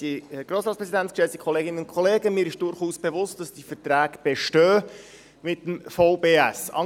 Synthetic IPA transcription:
iɡ̥ɾoːsɾɑːts̚pɾɛzidæntskʃɛsti̥kʰɔleːɡɪnənʊnkʰɔleːɡəmɪːɾɪʃd̥ʊɾχuːsb̥evʊst̚d̥ɑsd̥ifətɾæːɡb̥ɛʃtœː | mɪtːəmfɑʊbeːæsɑ̰

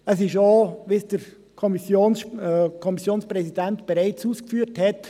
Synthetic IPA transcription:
əs̬ɪʃoʋisd̥əɾ | kʰɔmisjoːnkʰɔmisjoːnspʁɛsidɛntb̥ɛɾaɪt͡suːskfyːthɛt

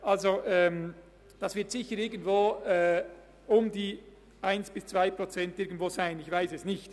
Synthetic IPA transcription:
ʔalzoʔɛːm | d̥ɑsvɪɐtsɪçəɾɪɐɡən̩tvoːɛː | ʊmdiː | ʔaɪnsb̥ɪst͡sv̥aɪpʁot͡sɛntɪɐɡən̩tv̥oːzaɪnɪçvaɪsɛsnɪçt

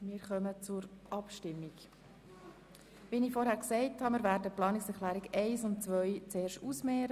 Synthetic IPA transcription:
mɪːɾχœmət͡sʊɾʔɑpʃtɪmːik | viːnɪfɔɾhæːɾksɛɪthɑmiːɾvæːɾdəplɑːnɪksɛɾχlæːɾiɡɛɪsʊnt̚t͡sʋœʏt͡seːɾʃtuːsmɛːɾə

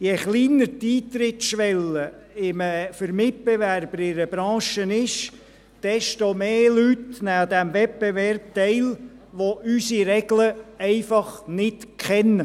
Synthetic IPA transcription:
jɛχliːnəɾtiːt̪ɾɪtʃʋɛlə | ɪməfəɾmɪt̚b̥eʋærb̥əɾɪɾəb̥ɾɑ̃ːʃənɪʃ | d̥ɛʃtomeːlytnæd̪æmvɛp̚bevɛrp̚tɛɪlʋoʔysiɾɛɡləɛɪfɑχnɪtkχɛnːə

